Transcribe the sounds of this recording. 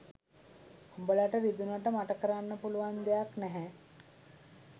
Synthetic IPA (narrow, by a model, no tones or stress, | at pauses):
hombəlaʈəʋid̪unəʈəmaʈəkəɾanːəpuluʋand̪ejaknɛɦæ